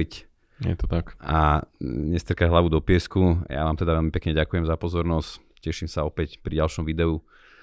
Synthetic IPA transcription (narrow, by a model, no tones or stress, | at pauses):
c | jɛ̰t̪ɔt̪akaɲɛst̪rkaɦlaʋud̪ɔpɪɛskuja̰ʋaːmt̪ɛd̪aʋɛlmipɛkɲɛɟakujɛmzapɔzɔɾnɔsc | cɛʃimsaɔpɛcpɾiɟalʃɔmʋid̪ɛu